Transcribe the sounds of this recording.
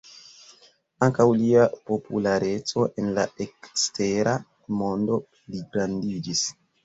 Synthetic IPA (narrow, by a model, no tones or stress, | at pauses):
aŋkawliapo̞pʰulaɾe̞t͡so̞ʔe̞nlae̞kste̞ɾa | mo̞ndo̞pliɡɾandid͡ʒis